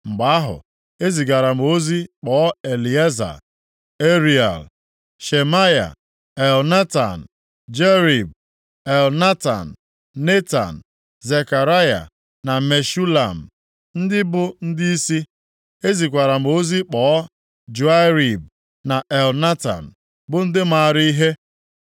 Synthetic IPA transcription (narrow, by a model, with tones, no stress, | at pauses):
ŋ͡m̩˨ɡ͡ba˨a˦ɦʊ̰˨ | e˦zi˨ɡa˨ɾa˨m̩˨o˦zi˦k͡pɔ˨˦e˨li˨e˦za̰˨ | e˦ɾi˨a̰˨l | ʃe˨ma˦ja̰˨ | e˨lna˦ta̰˨n̩˨ | d͡ʒe˦ɾi˨b̚ | e˨lna˦ta̰˨n̩˨ | ne˦ta̰˨n̩˨ | ze˨ka˨ɾa˦ja̰˨ | na˨me˨ʃu˦la̰˨m̩˨ | n̩˦dɪ˦bʊ˦n̩˦di˦i˦si˦ | e˦zi˨kʷa˨ɾa˨m̩˨˦o˦zi˦k͡pɔː˨˦ | d͡ʒu˨a˦ɾi˨b̚ | na˨ʔe˨lna˦ta̰˨n̩˨ | bʊ˦n̩˦dɪ˦ma˦˨ɾi˦i˦ɦe˦